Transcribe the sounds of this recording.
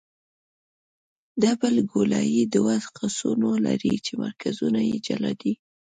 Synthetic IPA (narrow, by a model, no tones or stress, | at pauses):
d̪abəlɡolɑjid̪əwazqasunolaɾit͡ʃemaɾkʰazunajed͡ʒalad̪i